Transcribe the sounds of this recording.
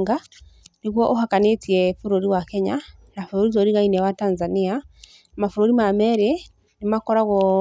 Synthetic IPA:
ŋɡa | neɣwɔʔohakanetiɛfuɾoɾiwakɛɲanafoɾoɾizɔɾiɣainɛwatanzania | amafoɾoɾimamɛɾe | nemakɔɾaɣɔ

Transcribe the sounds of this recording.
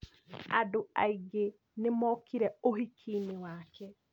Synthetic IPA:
a̰doa̰iɡe | nemɔːkiɾɛohikʰiːnewaːkɛ

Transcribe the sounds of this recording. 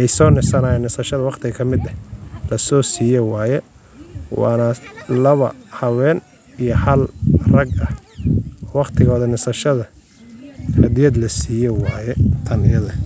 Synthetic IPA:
ɛjsɔːnɪsɐnaːjɛnɪsɐʃɐðɐwɑqt̪ʰɪɣɐkʰɐmɪd̪ɐlɐsɔːsiːjɔwɑːjɛ | wɑ̰ːnɐlɐβɐ̰hɐwɛːn | ijɔhɐlrɐɡɐh | wɑqt̪ʰɪɣɔːðɐnɪsɐʃɐðɐ | hɐd̪ɪjɐd̪lɐsiːjɔwɑːjɛt̪ʰɐnɪjɐðɐ

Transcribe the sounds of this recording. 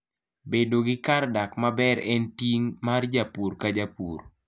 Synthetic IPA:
bedoɡɪkardakmabɛɾɛntiŋmard͡ʒapurkad͡ʒapṵr

